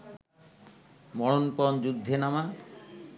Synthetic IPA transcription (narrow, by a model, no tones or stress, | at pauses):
mɔɽonpɔnd͡ʑud̪ʱːenama